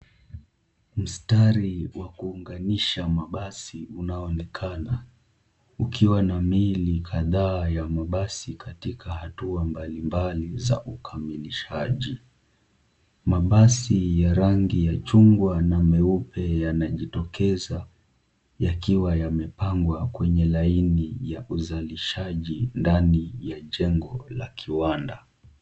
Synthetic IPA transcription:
m̩staɾiwakuːŋɡaniʃamaɓasiunaɔnɛkʰana | ukʰiwanamilikʰaðaːjamaɓasikʰatikʰahatuambalimbaliza̰ʔukʰamiliʃaʄi | maɓasijaɾaŋɡijat͡ʃuŋɡwanamɛupɛjanaʄitɔkɛza | jakiwajamɛpaŋɡwakwɛɲɛlainijaʔuzaliʃaʄindanijaʄɛŋɡɔla̰kʰiwanda

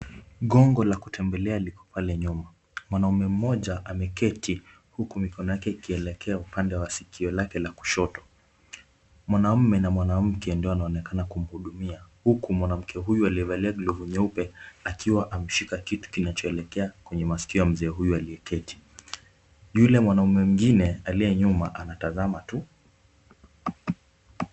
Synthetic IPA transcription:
ɠɔŋɡɔlakutʰɛmbɛlɛalikɔ̥palɛɲuma | mwanaumɛm̩mɔʄaʔamɛkɛtʰi | hukumikɔnɔjakɛikiɛlɛkʰɛaupandɛwasikʰiɔlakɛlaku̥ʃɔtɔ̥ | mwanam̩mɛnamwanam̩kɛndiɔanaɔnɛkanakum̩huɗumiahukumwanam̩kʰɛɦujualiɛvaliaɡluvuɲɛupɛakʰiwaʔam̩ʃikakitu̥kinat͡ʃɔɛlɛkɛakwɛɲɛmasi̥kiɔam̩zɛːɦujualiɛkɛti̥ | julɛmwanaumɛm̩ŋɡinɛalijɛɲumaʔanatazamatu

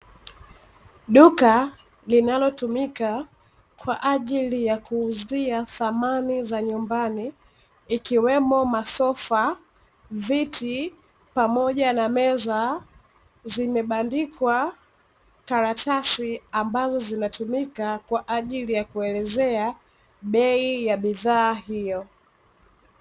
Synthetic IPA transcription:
ɗuka | linalɔtumika | kwa̰ʔaʄilijakuːziaθamanizaɲumbaniː | kiwɛmɔmasɔfa | vitʰi | pamɔʄanamɛza | zimɛɓandikʰwa | kaɾatasiambazɔzinatumikakwaʔaʄilijakuɛlɛzɛa | ɓɛijaɓiðaːhijɔ

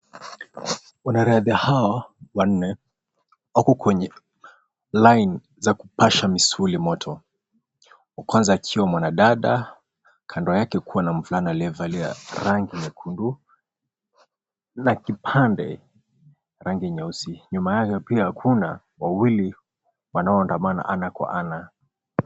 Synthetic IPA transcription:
unaɾaðiahawawan̩nɛ | wakɔkwɛɲɛ | lajni | zakupaʃamisulimɔtʰɔ | wakwanzaːkʰiwamwanaɗaɗa | kʰandɔjakɛkuwanaɱ̩vulanalɛvalɛa̰ɾaŋɡiɲɛkʰundu | nakipʰandɛ | ɾaŋɡiɲausiɲumajakɛpiahakʰuna | wawili | wanaɔːndamana̰ʔanakwa̰ʔana

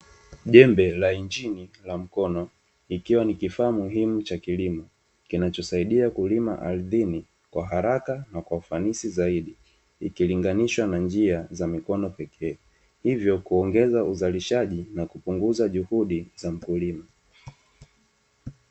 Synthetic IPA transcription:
ʄɛmbɛlaind͡ʒinilam̩kɔnɔ | ikiwanikifaːmuɦimut͡ʃakilimɔ | kinat͡ʃɔsaiɗiakulima̰ʔaɾiðini | kwaɦaɾakanakwaufanisizaiɗi | ikiliŋɡaniʃwanand͡ʒiazamikɔnɔpɛkʰɛː | hivjɔkuɔŋɡɛzauzaliʃaʄinakupuŋɡuzaʄuhuɗizam̩kulima

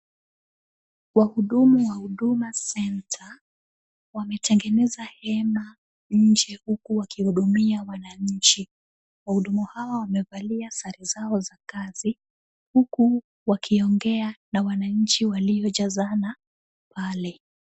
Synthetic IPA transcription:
wahuɗumuwahuɗumasɛntʰa | wamɛtʰɛŋɡɛnɛzahɛma | ɲ̩d͡ʒɛhukuwakihuɗumiawanaɲ̩t͡ʃi | wahuɗumuhawawamɛvaliasaɾizaɔzakazi | huku | wakʰiɔŋɡɛanawanaɲ̩t͡ʃiwaliɔʄazana | palɛ

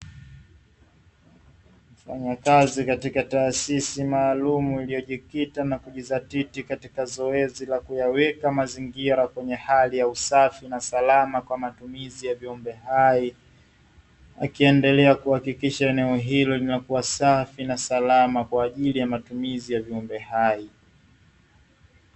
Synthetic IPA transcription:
m̩faɲakazikatikataːsisimaːlumuilijɔʄikitanakuʄizatitikatikazɔɛzilakujawɛkamaziŋɡiɾakwɛɲɛhalijausafinasalamakwamatumizijaviɔmbɛhai | a̰kiɛndɛlɛakuhakikiʃaɛnɛɔɦilɔlinakuwasafinasalamakwaːʄilijamatumizijaviɔmbɛhai

